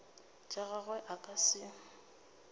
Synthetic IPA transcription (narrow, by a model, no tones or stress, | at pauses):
t͡ʃʼaɣaɣwɛʔakʼasɪ